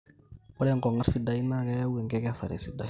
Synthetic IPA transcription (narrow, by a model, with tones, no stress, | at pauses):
ɔ˦lɛ˦˨ŋkɔ˨ŋa˦ɾsi˦da˦i˦na˦kɛ˦ja˦we˨ŋkɛ˦kɛ˦sa˨ɾḛ˨si˨da˦i˦